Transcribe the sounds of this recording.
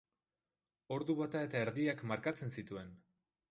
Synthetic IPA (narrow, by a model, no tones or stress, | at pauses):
o̞ɾðuβat̪ae̞t̪ae̞ɾðiakmaɾkat͡se̞nsit̪ue̞n